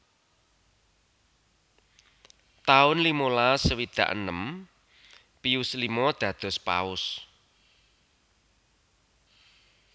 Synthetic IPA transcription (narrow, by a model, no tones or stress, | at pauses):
t̪aʊnlimolasəwid̪̥a̤̰ʔənəm | piuslimɔd̪̥ä̤d̪̥ɔ̤spa̰ʊs